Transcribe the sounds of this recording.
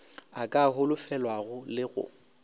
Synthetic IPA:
akʼaɦʊlʊfɛlwaɣʊlɪɣʊ̰

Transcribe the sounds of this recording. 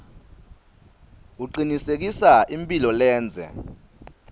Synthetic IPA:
uǃinisek̬isaʔimpʼilɔlɛːnd͡zʱɛ̰

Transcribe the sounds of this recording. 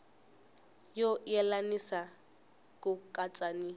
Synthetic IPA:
jojɛlanisa | kʼʊkʼat͡sʼani

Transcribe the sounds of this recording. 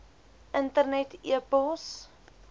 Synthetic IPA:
ʔəntərnɛtʰiəpəlˠs

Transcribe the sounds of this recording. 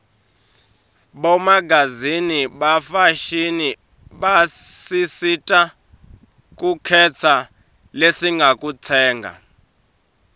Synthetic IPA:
ɓɔmaɡʱaziniɓafaʃini | ɓasisitʼa | k̬ʼukʰɛt͡sʰa | lesiŋɡʱakʼut͡sʰɛːŋɡʱa̰

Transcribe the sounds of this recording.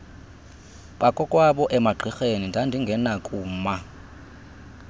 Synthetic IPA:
ɓakʼɔkʼwaɓɔʔɛmaɡ͡ǃʱixenindʱandʱiŋɡʱɛnakʼuːma

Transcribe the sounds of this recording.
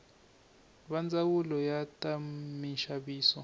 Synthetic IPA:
ɓand͡zawulɔjatʼamiʃaɓiːsɔ

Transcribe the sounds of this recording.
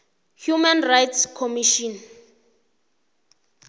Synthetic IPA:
hjumanrajtʰskʰɔmiʃɔn

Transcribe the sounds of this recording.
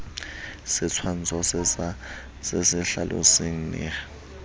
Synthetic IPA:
sɪt͡sʰwan̩t͡sʰɔs | sesɪɬalʔʊ̰seŋ̩nɪ̰

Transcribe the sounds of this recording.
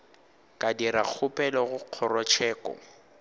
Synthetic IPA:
kʼadiɾak͡xʰʊpʼɛlɔɣʊq͡χʰɔrɔt͡ʃʰɛːkʼɔ̰

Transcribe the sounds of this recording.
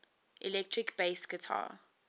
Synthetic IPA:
ʔḭlɛk̚tʰɹikb̥eɪsɡətʰa̰ː

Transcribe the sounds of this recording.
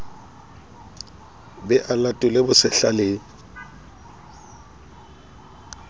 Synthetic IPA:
bɛʔalatʼʊlebʊsɪɬaleːŋ̩

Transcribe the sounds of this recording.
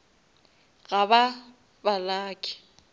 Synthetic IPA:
ɣaba | balaːkʼɪ̥

